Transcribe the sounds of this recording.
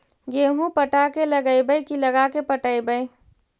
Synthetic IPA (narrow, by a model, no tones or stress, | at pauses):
ɡeːɦũpəʈakeləɡəjbəjkiləɡakepəʈəɪbəj